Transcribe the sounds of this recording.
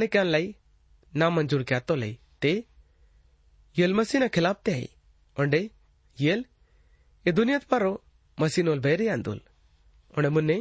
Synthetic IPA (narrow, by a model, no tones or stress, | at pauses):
nekanlaj | namɐnd͡ʒuɾkat̪olɐ̰i | t̪e | jelmɐsiːnakʰɪlaːp̚t̪eɦa̰j̰ | ɔɳɖe | jel | ed̪ʊnjat̪pɐɾo | mɐsiːnolbʱɐjɾijãːnd̪ṵl | ɔɳɖemʊnːe